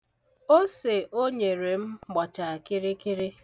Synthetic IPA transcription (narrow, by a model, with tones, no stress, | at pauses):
o˦se˨ʔo˦ɲe˨ɾe˨m̩˦ɡ͡bɔ˨t͡ʃa˨kɪ˦ɾɪ˦kɪ˦ɾɪ˦